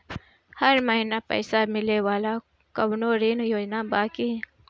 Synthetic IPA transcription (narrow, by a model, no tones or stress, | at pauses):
hɐɾməɦinapɛ̰ːsamɪlewaːla | kəmnoːɾiːnjoːd͡ʒnabaːki